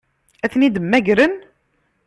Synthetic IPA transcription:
æθnid̪əmːæʝɾən

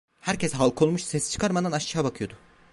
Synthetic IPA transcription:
hæɾcʰesɦalˠkʰo̞lˠmuʃsɛst͡ʃʰɯ̥kʰaɾmad̪anaʃt͡ʃaɦabakʰɯjo̞d̪ʊ

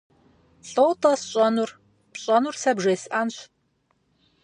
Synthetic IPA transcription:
ɬʼowtʰʼɐsɕʼɐnur | pɕʼɐnursɐbʒeːsʔaːnɕ

